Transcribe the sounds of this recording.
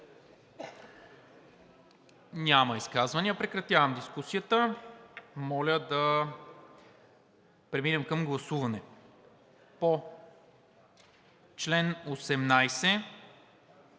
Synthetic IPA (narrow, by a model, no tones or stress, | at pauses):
nʲamɐiskazvɐniəpɾɛkɾɐt̪ʲjavɐmd̪iskusijət̪ə | mɔlʲəd̪ɐ | pɾɛmilʲəmkəmɡlˠɐsuvɐnɛ | po | t͡ʃlɛnosɛmnajsɛ